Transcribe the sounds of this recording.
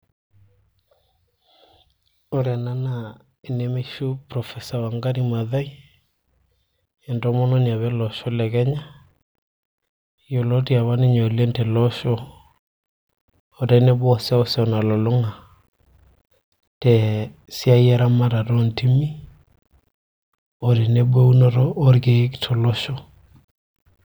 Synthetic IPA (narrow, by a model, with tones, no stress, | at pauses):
o˨ɾa˨na˦na | e˨nɛ˨me˦ʃu˦pɾɔ˨fɛ˨sa˨wa˨ŋɡa˦ɾi˦ma˨ða˦i˦ | ɛ˨ndɔ˦mɔ˦nɔ˦n˨a˨βɛ˦lɔʃɔ˦lɛ˨kɛ˦ɲa˦ | jo˨lɔ˦ti˦a˨βa˦ne˦ɲɔ˨lɛ˦ntɛ˨lɔ˦ʃɔ˦˨ | ta˦i˦nɛ˦bwɔ˨sɛ˦ɔ˦sɔ˨na˨lɔ˨lʊ˦ŋa˨ | tɛ˨ | si˦a˦jɛ˦ɾa˦ma˦ɾa˨tɔ˦nti˦mi˦ | ɔ˨ɾe˨nɛ˦bwe˦u˦nɔɾɔː˦ɾke˨˦ktʰɔ˨lɔ˦ʃɔ˦